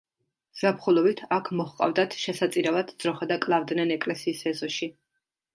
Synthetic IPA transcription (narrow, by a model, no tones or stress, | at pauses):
z̥apχulˠɔbit̪ʰakʰmɔχqʼa̰vd̪at̪ʰʃɛsat̪sʼiɾavad̪d̪z̥ɾɔχad̪akʼlˠavd̪nɛnɛkʼlɛsiːsɛzɔʃi